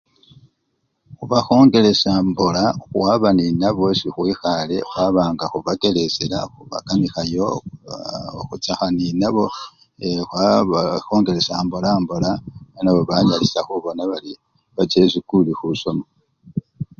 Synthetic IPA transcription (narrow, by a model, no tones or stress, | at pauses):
xuβaxo̞ːŋɡe̞le̞sambolaxuwaβaninaβosixwiːxale̞xwaβaːŋɡaxuβake̞le̞sela̰xuβa̰kamixajo̞ | xut͡saxaninaβo̞ | exwaxo̞ːŋɡe̞ɾe̞sambolambolaanaβo̞βaɲalisaxuβo̞naβali | βat͡se̞zikulixuso̞mo